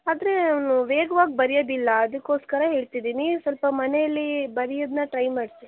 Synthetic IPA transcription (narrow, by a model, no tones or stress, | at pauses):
aːd̪ɐɾe̞nanuʋeːɡɐʋaːɡ̚bɐɾijod̪ilːɐːd̪ɐkːo̞ːskɐɾɐɦe̞ːɭt̪id̪iːnisɐlpɐmɐnɛjɐlːibɐɾijod̪nɐʈɾɐjmaːɖsi